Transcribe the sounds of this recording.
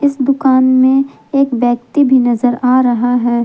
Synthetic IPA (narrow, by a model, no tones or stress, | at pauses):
ɪsd̪ʊkaːnmẽ | eːkbɛːkt̪ibʱinɐzəɾaːɾɐɦaɦɛː